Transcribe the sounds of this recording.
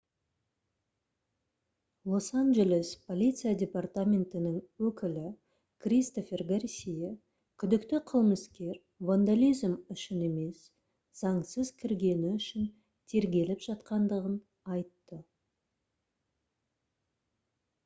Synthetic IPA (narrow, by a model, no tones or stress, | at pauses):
lˠo̞sanʒe̞lʲe̞spʰo̞lʲit̪sɨjadʲe̞part̪amʲe̞nt̪ɪnɪŋwɵkʲɪlɪ | kʰrʲist̪o̞fʲe̞rɡarsʲije | kʲʰʏd̪ɪkt̪ɪqʰəlˠməskʲe̞ɾ | vand̪alʲijzmʏʃɪne̞me̞s | z̥ɑɴsəzkʲʰɪɾɡʲe̞nɪʏʃɪn | t̪ʰe̞ɾɡʲe̞lɪpʒ̥ɑt̪qɑnd̪əʁən | ɑjt̪ːə